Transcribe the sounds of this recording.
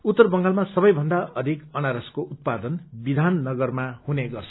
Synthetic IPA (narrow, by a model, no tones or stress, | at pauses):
ut̪ːʌrbʌŋɡalmasʌbʌjbʱʌnd̪aʌd̪ʱikʌnaɾʌskoʔut̪̚pad̪ʌnbid̪ʱanːʌɡʌrmahuneɡʌrt͡sʰʌ